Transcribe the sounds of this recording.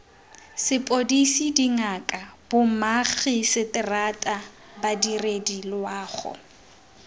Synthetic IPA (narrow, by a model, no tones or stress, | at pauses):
sɪpʼodisidiŋakʼab̥ʊmaχisɪtʼɪratʼa | badiredilwaːχʊ̰